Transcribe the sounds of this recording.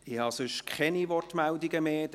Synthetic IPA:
ɪhɑːsʏʃkʰχɛnivɔrtmældiɡəmeːd

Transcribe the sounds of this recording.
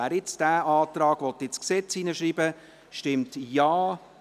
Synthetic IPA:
æːɾɪt͡sd̥æːʔɑːtrɑːɡ̥ʋɔt̪ːɪt͡sksɛt͡siːnəʃɾiːbə | ʃtɪmtjɑː

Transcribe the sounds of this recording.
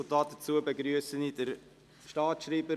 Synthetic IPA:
tɑːt̚d̥ət͡suəbeɡɾyəsənidəɾ | ʃtɑːtʃɾiːbə

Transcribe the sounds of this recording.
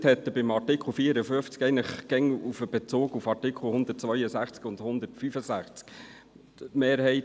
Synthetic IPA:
thɛt̪ːəbɪmɑtɪkʰl̩fiːəɾəføft͡skɛɪɡənləχkɛŋufəb̥ɛt͡soːɡufɑɾtɪkʰl̩hʊnd̪ət̚t͡sʋœʏəsæχt͡skʊnd̪hʊnd̪ətfyfəsæχt͡sk | meːɾhɛɪt

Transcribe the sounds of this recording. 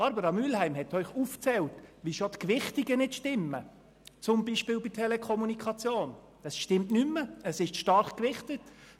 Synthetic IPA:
ɑɾbəɾɑmyːlhæɪmhɛtœʏχuft͡sɛltʋiʃotkʋɪχtiɡənɪtʃtɪmːə | t͡sʊmbiːʃpɪːlbitʰɛlɛkʰɔmunikʰɑt͡sjoːn | d̥ɑsʃtɪmtnymːəəsɪʃʃtɑɾχkʋɪχtət

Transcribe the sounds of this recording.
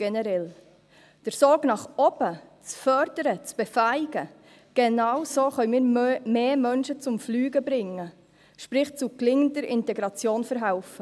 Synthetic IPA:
ɡ̥ɛnɛɾɛl | d̥əɾsoːɡnɑχɔbət͡sfœɾdəɾət͡sb̥efæɪɡ̥ə | ɡ̥enɑwsoːχœʏmiːɾmeːmœnʃət͡sʊmflyːɡəbɾɪŋːə | ʃpɾɪχt͡suklɪŋəndəɾʔɪntɛɡɾɑt͡sjoːnfəɾɦaʊfə

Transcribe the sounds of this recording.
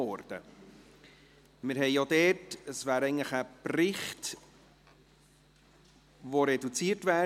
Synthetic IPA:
ɔɾd̥ə̰ | mɪɾhɛɪjodɛtəsvæːɾɛɪɡŋnləχəprɪχt | voɾɛdut͡siːəɾtvæː

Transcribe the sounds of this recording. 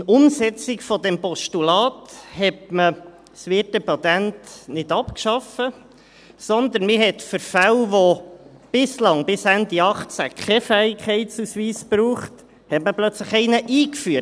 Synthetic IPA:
ʊmsɛt͡sikfɔd̪ɛmpɔʃtulɑːthɛtmə | sʋɪtəpɑt̪æntnɪd̥̪ɑpkʃɑfə | sɔnd̪ənmɪɦɛt̪fʏɾfæwʋo | b̥ɪslɑŋbɪsænd̪iɑχt͡sækʰχɛfæikχɛɪtsusʋiːspɾuːχt | hɛtməplœt͡sləχɛɪnəʔiːkfyə

